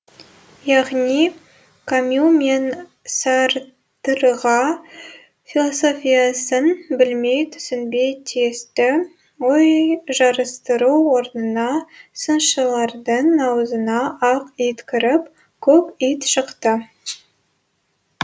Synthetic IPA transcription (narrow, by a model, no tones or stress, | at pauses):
jɑʁnij | kʰomjumen | sɑɾ | t̪əɾʁɑ | fʲilˠoso̞fʲijɑsənbɪlme̞jt̪ʰʏ̥sɪnbejt̪ʰiest̪ɪ | wojʒɑɾəst̪əɾuwo̞ɾnənɑsənʃəlˠɑɾd̪əɴnɑwəzənɑʔɑqijt̪kʲʰɪɾɪp | kʲʰɵkijt̪ʃəqt̪ə